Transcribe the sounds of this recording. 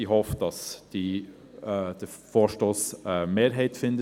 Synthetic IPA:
iɦɔfd̥ɑsd̥i | d̥ə | foːɾʃtoːsɛmeːɾɦɛɪtfɪndə

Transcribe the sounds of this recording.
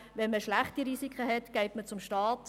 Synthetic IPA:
ʋɛnməʃlaχtiɾiːsikχəhɛtɡ̥ɛɪtmət͡sʊmʃtɑːt

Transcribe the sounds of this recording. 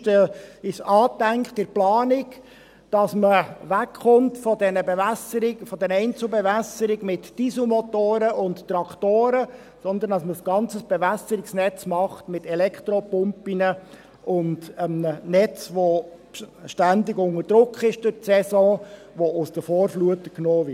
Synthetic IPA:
təɪsɑːtæŋkχtɪɾplɑːnɪk | d̥ɑsməʋækχʊntfɔdɛnəbɛvæsəɾɪɡfɔd̥ɛɾɛɪnt͡sl̩bɛvæsəɾɪɡmɪtd̥isumɔt̪oːɾəʊnttɾɑkχtoːɾə | sɔnd̪ənd̥ɑsməsɡ̥ɑnt͡səsb̥ɛvæsəɾɪksnɛt͡smɑχtmɪtɛlɛkχt̪ɾɔpʊmpinə | ʔʊndəmnɛt͡sʋo | ʃtændɪɡʊŋərd̥ɾʊkχɪʃd̥ʊɾtsɛsɔ̃ː | ʋoʊsd̥̪əfoːɾfluətəknoːvɪ

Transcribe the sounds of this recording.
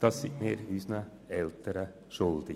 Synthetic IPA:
d̪̥ɑsɪneːɾʉːsnə | ɛlt̪əɾə | ʃɔld̪ɪ

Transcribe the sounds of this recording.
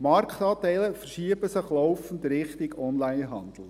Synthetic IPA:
mɑɾkʰtɑːtɛɪləfəɾʃiəbəsɪχlɔwfn̩dɾɪχtɪɡɔnlæɪnɦɑ̰nd̪̥l̩ˠ

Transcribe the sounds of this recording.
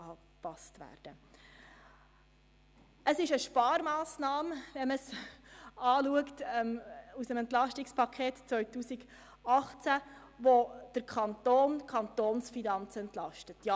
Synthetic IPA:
ɑ | pɑstʋæ̰ːɾd̥ə | əsɪʃəʃpɑːɾmɑːsnɑːmʋɛməs | ɑːluəktɛmusəmɛntlɑʃtɪkspʰɑkʰeːtt͡sʋœʏtuːsiɡ | ɑχt͡sæ | ʋod̥əɾkʰɑntoːnkʰχɑnt̪oːnsfinɑnt͡sɛntlɑʃtətjɑ

